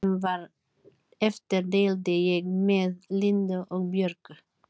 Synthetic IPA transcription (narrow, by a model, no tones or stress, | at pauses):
nʋɑːɾ | ɛft̪əɾɖeːld̪əjɛɡmeːðlɪnd̪əʔok̚bjœɾkə